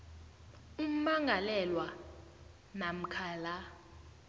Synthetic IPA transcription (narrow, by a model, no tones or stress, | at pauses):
um̩maŋɡʱalɛlwa | nam̩kʰaːla